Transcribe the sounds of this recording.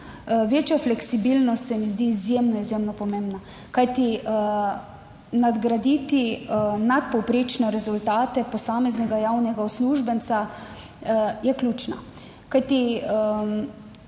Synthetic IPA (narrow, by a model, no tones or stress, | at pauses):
ʋeːt͡ʃjaflɛksibilnɔst̪sɛmizd̪iːzjemnɔizjemnɔpɔmẽmbna | kajt̪i | nad̪ɡɾad̪it̪inat̪pɔwpɾeːt͡ʃnɛɾɛzult̪aːt̪ɛpɔsaːmɛznɛɡajawnɛɡawsluʒbənsa | jɛklʲjuːt͡ʃna̰ | kajt̪iə